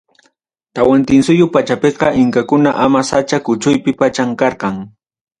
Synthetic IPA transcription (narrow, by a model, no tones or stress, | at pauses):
t̪awant̪ɪnsʊjʊpat͡ʃapeqɑʔɪŋkakʊnaʔamasat͡ʃakʊt͡ʃʊjpɪpat͡ʃaŋkɑɾqɑŋ